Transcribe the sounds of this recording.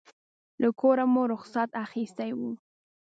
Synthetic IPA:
ləkʰoɾamoɾʊxsat̪axist̪ajwu

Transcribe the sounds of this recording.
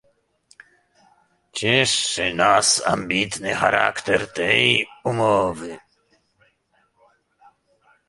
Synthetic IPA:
t͡ɕeʂːenaːsa̰mbiːt̪nɨxa̰ɾa̰ːkt̪ɛɾt̪ɛjumoːvɪ

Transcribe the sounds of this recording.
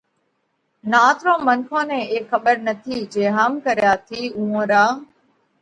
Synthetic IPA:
naːt̪ʰɾõːməŋkʰõːnẽːeːkʰːəɓəɾnət̪ʰiːd͡ʒeːɦaːmkəɾjaːt̪ʰiːũːõːɾaː

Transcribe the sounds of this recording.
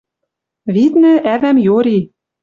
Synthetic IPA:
βit̪nɘ̆ʔæβæmjoɾi

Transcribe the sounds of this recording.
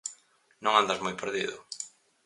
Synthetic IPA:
nõŋand̪azmojpeɾðiðʊ

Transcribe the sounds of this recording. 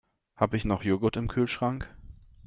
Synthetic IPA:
haːbəɪçnɔχjoːɡʊtɪmkʰyːlʃʁ̥aŋk

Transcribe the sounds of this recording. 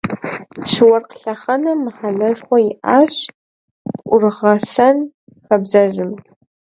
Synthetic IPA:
pʂɨwɐrqɬaχɐnɐmħanɐʒχʷɔjɪʔaɕ | pʔʷʊrʁɐsɐn | xɐbzɐʒɪm

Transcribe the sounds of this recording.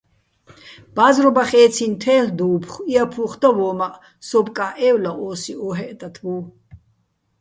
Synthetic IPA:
b̥azɾɔbaχɛːt͡sʰint̪ʰɛːɬd̪uːpʰχiapʰuχd̪avɔːmaʔ | sɔbkʼaʔɛwlaʔɔːsiɔːɦɛʔt̪ʼat̪ʰbuː

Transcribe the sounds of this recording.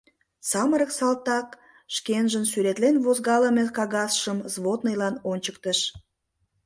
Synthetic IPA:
sɑməɾəksɑlt̪ɑk | ʃkenʒənsyɾet̪lenvozɣɑləmekɑɣɑsʃəmzβot̪nəjlɑnonʲt͡ɕək̚t̪əʃ

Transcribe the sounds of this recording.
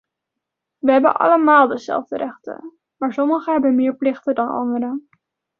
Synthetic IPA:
ʋəɦɛbə̰nʔɑ̰ləmaːlˠdəzɛ̰lˠvdəɾɛχtə̰ | maːɹsɔməχəɦɛbənmɪːɹplɪχtədɑnɑ̰ndəɾə

